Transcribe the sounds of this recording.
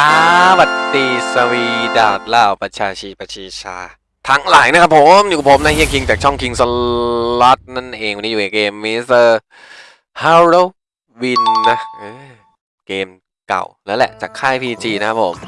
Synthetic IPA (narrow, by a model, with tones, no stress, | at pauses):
ʔaː˧˦wa˨˩t̪ːiː˧sa˧wiː˧daː˨˩wt̪̚laː˧˩wpa˧t͡ɕʰaː˧t͡ɕʰi˧˩pa˧t͡ɕʰiː˧t͡ɕʰaː˧ | t̪ʰa˦˥ŋlaː˨˩˦jna˦˥kʰa˦˥pʰːo˨˩˦mjuː˨˩pʰo˩˦mna˦˥hi˥˩əŋkʰi˧ŋt͡ɕaː˨˩k̚t͡ɕʰɔ˥˩ŋkʰi˧ŋsə˧lɔ˦˥t̪̚na˥˩nʔeː˧ŋa˧ni˦˥juː˨˩na˨˩keː˧mːiː˧˥sɤː˧ | ha˧ɾoː˧˥˩ | wi˧nːa˦˥ʔɤː˧ | keː˧m | ka̰˨˩wnɛː˦˥lɛ̰˨˩t͡ɕaː˨˩kʰːaː˥˩jpʰiː˧t͡ɕiː˧na˦˥kʰa˦˥pʰːo̰˩˦m